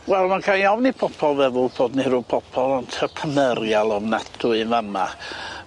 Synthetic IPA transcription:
wɛlˠmankʰanjawnipʰɔpʰɔlˠvɛðʊlˠbʰoːdniɾʊpʰɔpʰɔlˠɔntʰəpʰənəɾjalˠɔmnatʰʊɨvama

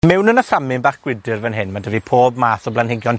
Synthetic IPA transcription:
mɛwnənəframɪnbaːχɡ̥wɪdɨrvənɦɪnmadəvipʰoːbmaːθɔblanhɪɡjɔn

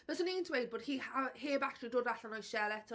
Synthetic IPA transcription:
bɛsɔniːntʰwejd̚boːd̥hiːhaheːbatʰridʊːdaɬanɔjʃɛlɛtʰ

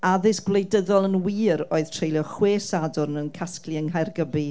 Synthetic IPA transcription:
aðɪsɡ̥wlˠejdəðɔlˠənwiːɾoːɨð̥tʰr̥ejljɔχweːsadʊrnənkʰasklˠiəŋɦajrɡəbi

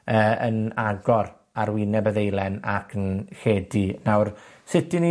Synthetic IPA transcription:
əːənaɡɔr | aɾwɪnɛbəðejlˠɛna̰kʰənheːdinawrsɪtini

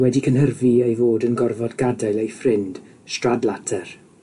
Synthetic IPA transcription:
wɛdikʰənɦərviejvoːdənɡɔrvɔdɡadajlˠejfrɪnd̥ | stradlˠatʰɛr

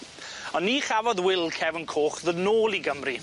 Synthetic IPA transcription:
ɔnːiːχavɔðwɪlˠkʰɛvənkʰoːχðədnoːlˠiɡəmri

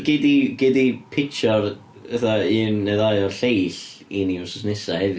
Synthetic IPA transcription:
ɡɪdiɡ̥ɪdipʰɪkt͡ʃʰɔɾ | əθaɨnːɛðajɔrɬejɬiniʊsɔsnɪsahɛvɨ

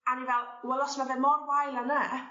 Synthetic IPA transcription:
anivɛlˠwɛlˠɔsmaðɛmɔrwajlanə

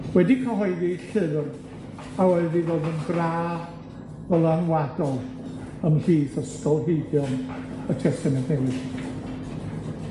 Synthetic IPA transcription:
wɛdikʰɔɦɔɨðiɬɨðr | awɛɨðivoːðənɡraː | ɔlˠaaŋwadɔlˠ | əmɬiːθəstɔlˠɦeɨdjɔnətʰɛstɛmɛntnɛwɨχ

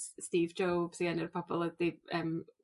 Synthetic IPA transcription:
stiːvd͡ʒowb̥siɛnɪrpʰɔb̥ɔlˠəd̥iəːm

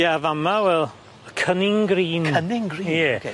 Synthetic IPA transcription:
javamawɛlˠ | kʰənɪŋɡriːnənɪŋɡijɛ

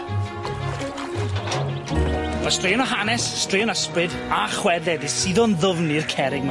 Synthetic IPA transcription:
v̥astreːɔnɔɦanɛsːtreːɔnəsprɨð | aχwɛðɛðisiðɔnðʊvnirkʰɛɾɪɡ̚m

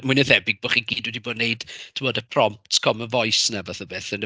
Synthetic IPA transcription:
muɨnəðɛbɪɡ̚boːχiɡiːdwɛdiboːdneɨd̥tʰɪmɔːdəpʰrɔmp̚tkʰɔmənvɔjsnavaθəbeːθən

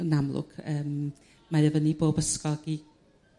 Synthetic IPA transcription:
namlˠʊ̰kʰəːm | maɾɛvəniboːbəskɔlˠɡi

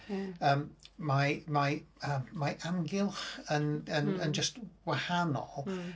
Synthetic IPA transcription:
əːmmajmajəːmːajʔamɡɪlˠχənənənd͡ʒəstwahanɔ̰

